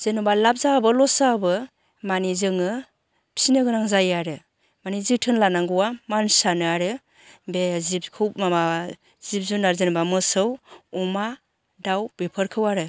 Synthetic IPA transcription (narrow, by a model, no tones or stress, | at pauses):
z̥enubalap̚zabɯlɔsabɯ | manizɯŋɯ | pʰi̥sinɯɡɯnaŋzajaɾɯ | manizitʰɯnlanaŋɡɯwamansanɯaɾɯ | bezibkʰɯwmama | z̥ip̚zunaɾzɯnbamɯsɯwuma | dawb̥ipʰɯɾkʰɯwaɾɯ